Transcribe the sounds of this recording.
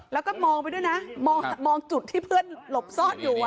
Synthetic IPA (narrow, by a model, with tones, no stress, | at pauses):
lɛː˦˥wkɔː˥˩mɔː˧ŋpa˧jdu˥˩˨jna˦˥mɔː˧ŋ˩mɔː˧ŋt͡ɕu˨˩t̪ʰːiː˥˩pʰɯ˥˩ənlo˨˩p̚sɔː˥˩t̪̚juː˨˩ʔa˩